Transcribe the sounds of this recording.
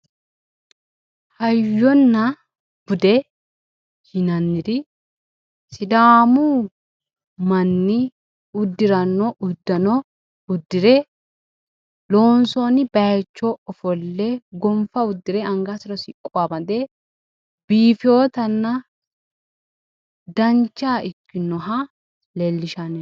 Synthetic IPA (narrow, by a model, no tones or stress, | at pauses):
hɐjjːɔnːɐ | b̥ʊd̪e | hɪnɐnːɪɾɪ | sɪd̪aːmuː | mɐnːɪ | ʊd̪ːɪɾɐnːɔʔʊd̪ːɐnɔ | ʊd̪ːɪɾɛ | loːnsoːnɪbɐjɛt͡ʃːoɔfɔlːeɡɔmfɐʊd̪ːɪɾɛɐŋɡasɪɾɐsɪkʼːʊamɐd̪eː | b̥iːfɪo̞ːt̪ɐnːɐ | d̪ɐnt͡ʃːaːʔɪkːɪnɔɦa | lelːɪʃɐnɛ